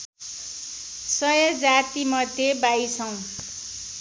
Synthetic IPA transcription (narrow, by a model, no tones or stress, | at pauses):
sʌjʌd͡zat̪imʌd̪ʱjebajt͡sʰʌw̃